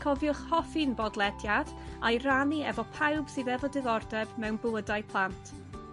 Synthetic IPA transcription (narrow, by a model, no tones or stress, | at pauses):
kʰɔvjʊχhɔfinbɔdlˠɛdjad̥ajraniɛ̰vɔpʰawb̥sɨðɛvɔdɪɡɔrdɛbmɛwnbʊədajpʰlˠantʰ